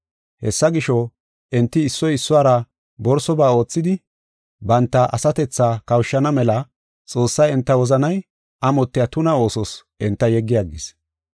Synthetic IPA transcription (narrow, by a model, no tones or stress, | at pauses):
hɛsːɐɡɪʃɔ | ʔɛnt̪ːɪːsːɔjɪsːʊaːɾɐ | bɔɾsɔbaːo̞ːt͡sːɪd̪ɪ | bɐnt̪ːɐʔɐsɐt̪ɛt͡sːaːkɐwʃːɐnɐmɛlɐ | t͡sʼo̞ːsːɐjɛnt̪ːɐwɔzɐnɐj | ʔɐmɔt̪ːɪjat̪ʊnɐo̞ːsɔsʔɛnt̪ːɐjɛɡːɪjɐɡːɪs